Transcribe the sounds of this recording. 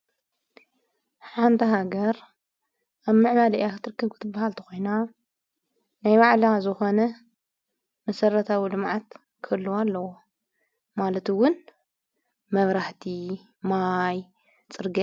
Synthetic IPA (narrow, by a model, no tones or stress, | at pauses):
ħant̪ʰiɦaɡɐɾ | ʔaβmɨʕmalʔjakɨt̪ʰɨɾɨkʰːɐβkʰɨ̥t̪ʰɨbːahalt̪ʰɐ̥xo̞jna | najβaʕlazɨxo̞nɐ | mɐsɐrːɐt̪ʰawilɨmʕat̪ | kʰɐlːuwalːɐwo | malɐt̪ɨwʊn | mɐβɾaħt̪ʰi | maj | t͡sʼɨɾɡi